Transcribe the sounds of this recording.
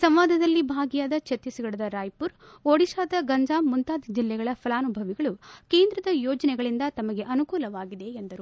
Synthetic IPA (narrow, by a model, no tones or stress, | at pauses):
sɐmʋaːd̪ʱɐd̪ɐlːibʱaːɡijaːd̪ɐt͡ʃet̪jɐsiɡɐɭɐd̪ɐɾaːjpuɾ | oːɽiʃaːd̪ɐɡɐɲd͡ʒaːmmːunt̪aːd̪id͡ʒilːɛɡɐɭɐpʰɐlaːnubʱɐʋiɡɐɭukeːnd̪ɾɐd̪ɐjɔːd͡ʒɐnɛɡɐɭind̪ɐt̪ɐmɐɡe̞ʔɐnukuːlɐʋaːɡid̪e̞ːnd̪ɐɾu